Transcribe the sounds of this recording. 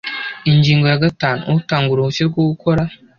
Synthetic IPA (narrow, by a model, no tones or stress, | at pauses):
iɲd͡ʒiŋɡoaɡatanṵtaŋɡuɾout͡ʃiɾɡoukʰoɾa